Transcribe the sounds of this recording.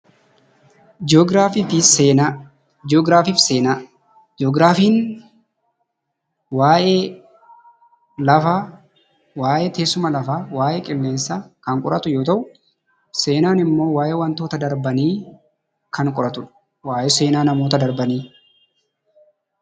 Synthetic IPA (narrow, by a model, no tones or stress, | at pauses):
d͡ʒɔɡɾaːfiːfiseːa | oːɡɾaːfiːfseːnaː | d͡ʒoːɡɾaːfiːn | waːjeː | lɐfa | waːʔeːt̪eːsʊmɐlɐfaːwaːʔeːkʼɪlːe̞ːnsaːkɐŋkʼʊɾɐt̪ʊjo̞ːt̪ɐʔʊ | se̞ːnaːnɪmːo̞ːwaːʔeːwɐnt̪oːt̪ɐd̪ɐɾbɐniː | kʰɐŋkʼʊɾɐt̪ʊᶑɐ̥ | waːʔeːse̞ːnaːnɐmo̞ːt̪ɐd̪ɐɾbɐniː